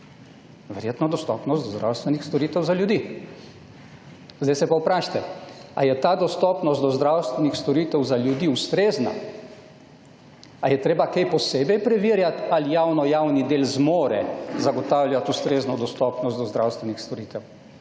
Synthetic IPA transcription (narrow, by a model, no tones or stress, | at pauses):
ʋɛɾjeːt̪nɔd̪ɔst̪ɔ̰ːpnɔst̪d̪ɔzd̪ɾa̰wst̪ʋɛnixst̪ɔɾiːt̪ɛwzaljud̪i | zd̪ajsɛpawpɾaːʃḁt̪ɛa̰jɛt̪aːd̪ɔst̪ɔːpnɔst̪d̪ɔzd̪ɾawst̪ʋɛnixst̪ɔɾiːt̪ɛwzaljud̪iust̪ɾeːzna̰ | ajɛt̪ɾeːbakejpɔseːbɛjpɾɛʋiːɾjat̪alijawnɔjawnid̪eːlzmɔːɾɛ̰zaɡɔt̪awljat̪ust̪ɾeznɔd̪ɔst̪ɔpnɔst̪d̪ɔzd̪ɾawst̪ʋɛnixst̪ɔɾiːt̪ɛw